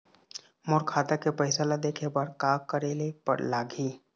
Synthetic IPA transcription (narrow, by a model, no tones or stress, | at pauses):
moːɾkʰaːt̪akepəɪsalad̪eːkʰebaɾkaːkəɾelepə̰ɾlaːɡʱiː